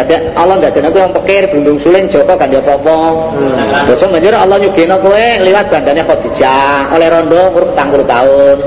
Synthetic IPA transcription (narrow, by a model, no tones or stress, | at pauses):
ad̪̥anɔlɔnd̪ad̪aʔnakuwɛŋpəkɪrb̥ṳndʊŋsulɪn̥d͡ʒ̥ɔ̤kɔɡ̥a̤ndiɔpɔpɔ | b̥ɔsɔmbaɲd͡ʒʊɾɔlɔɲuɡ̥enɔkuɛliwat̪̚b̥a̤nd̪anakɔʔd̪̥i̤̥d͡ʒ̥aɔlɛɾɔnɖɔmuɾʊk̚t̪aŋkulut̪aʊn